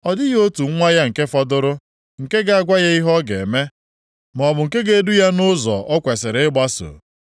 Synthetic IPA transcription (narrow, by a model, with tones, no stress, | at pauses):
ɔ˨dɪ˦jo˦tu˨˦ŋʷa˦ja˦ŋ̩˨ke˦fɔ˦dʊ˦ɾʊ˦ | ŋ̩˨ke˦ɡa˨a˨ɡʷa˦ɣe˦i˦ɦɔ˦ɡḛ˨me˦ | m˨ɔ˨bʊ˨ŋ̩˨ke˦ɡe˨˦du˦ja˦nʊ˦zɔ̰˨ʔɔ˦kʷe˨sɪ˨ɾɪ˦ɡ͡ba˦so̰˨